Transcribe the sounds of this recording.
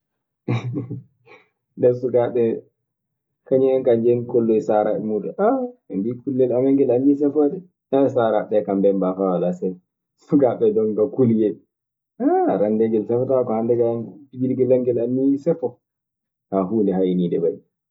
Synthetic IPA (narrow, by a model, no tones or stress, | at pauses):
ndɛsukaɓɛ | kaɲiɛnkaɲd͡ʒɛnkɔlːɔjsaɾaɛmuduʔaɛnbikulːɛlamɛŋɡɛlanːisɛfɔdɛ | ɛsaːɾaɓɛkambɛmbafawalasɛn | sukaɓɛdɔŋɡakuljɛl | aɾandɛɡɛlsɛfɔtakɔhandɛɡanpiɡiliɡɛlaŋɡɛlanːisɛfɔ | kahuːndɛhajnindɛbaji